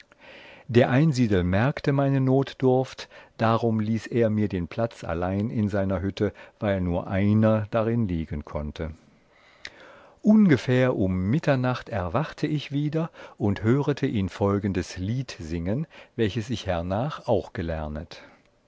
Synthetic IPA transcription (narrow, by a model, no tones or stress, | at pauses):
d̥eːɐʔaɪnziːdl̩mɛɐktəmaɪnənoːtd̥ʊɐftd̥aʁʊmliːseːɐmiːɐdeːnpʰl̥at͡sa̰laɪnɪnzaɪnɐɦʏtʰəv̥aɪlnuːɐʔaɪnɐd̥aʁɪnliːɡənkʰɔntʰə | ʔʊnɡəfɛːɐʔʊmːɪtʰɐnaχtɛɐvaχtʰəɪçv̥iːdɐʔʊnthøːʁətʰəʔiːnfɔlɡən̩dəsliːtz̥ɪŋənvɛlçəsɪçhɛɐnaːχaʊxɡ̥əlɛɐnət